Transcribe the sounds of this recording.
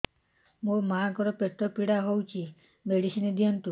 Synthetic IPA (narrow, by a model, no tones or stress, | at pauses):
mũmakɔɾɔpeʈ̪ɔpiɽaɦowt͡ʃʰi | meɽisinid̪ijɔnt̪u